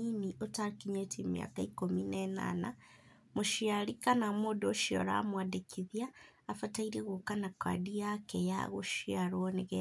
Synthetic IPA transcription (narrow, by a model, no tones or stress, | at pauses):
iniʔotaɾkiɲetimja̰kaikominena̰na | muʃjalikanamodoʃio̰ɾa̰mwadekʰiðjaːfataiɾeɣokanakʰa̰diakeja̰ɣoʃjaɾwoneɣe